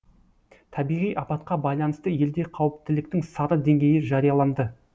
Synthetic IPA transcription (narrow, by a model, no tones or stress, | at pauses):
t̪ʰɑbijʁijʔɑpɑt̪̚qɑbɑjlˠɑnəst̪əje̞ld̪e̞qʰɑwəp̚t̪ɪlɪk̚t̪ɪŋsɑɾəd̪e̞ŋɡʲe̞jɪʒɑɾijɑlˠɑnd̪ə